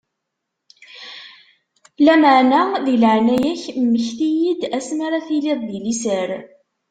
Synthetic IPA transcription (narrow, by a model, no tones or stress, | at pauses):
læməʕnaðiləʕnæjæçmːəçθijid̪æsmaɾaθilɪðˤðilisəɾ